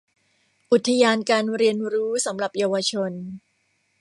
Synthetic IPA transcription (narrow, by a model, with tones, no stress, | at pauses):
ʔu˨˩t̪ʰːa˧jaː˧nkaː˧nɾi˧ənɾuː˦˥sa˩˦mɾa˨˩p̚jaː˧wa˧t͡ɕʰo˧n